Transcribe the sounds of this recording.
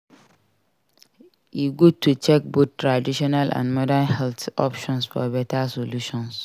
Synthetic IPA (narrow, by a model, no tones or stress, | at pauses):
iɡud̚tʰːut͡ʃɛk̚bottɹadiʃɔnalʔã̰ndmɔdanhɛlt̪ɔ̰pʃɔ̃nsfɔ̰bɛtasoluʃɔ̃ns